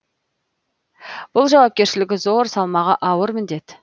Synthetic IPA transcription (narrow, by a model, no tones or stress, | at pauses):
b̥ʊlˠʒɑwɑp̚kʲe̞ɾʃɪlɪɡʲɪzo̞ɾsɑlˠmɑʁɑʔɑwəɾmɪnd̪e̞t̪